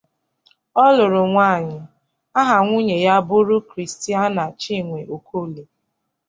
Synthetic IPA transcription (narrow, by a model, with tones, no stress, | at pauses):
ɔ˦lʊ˨ɾʊ˨ŋʷa˦˨ɲɪ˨ | a˦ɦa˨ŋʷu˦ɲe˨ja˦bʊ˦ɾʊ˦kɾi˨sti˦a˦na˨t͡ʃi˦˨ŋʷe˨ʔo˨kʰo˦˨le˨